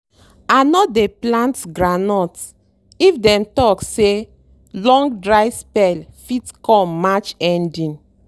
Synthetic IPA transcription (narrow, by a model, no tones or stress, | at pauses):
anɔdeplãntɡɹanɔt | ifdɛ̃mtɔkse | lɔ̃ŋɡdɹajspɛlfitkɔ̃mːat͡ʃɛ̃ndĩn